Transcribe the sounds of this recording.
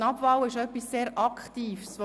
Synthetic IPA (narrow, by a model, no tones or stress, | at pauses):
nɑbvɑwɪʃœpːisːeːɾʔɑkχtiːfsʋo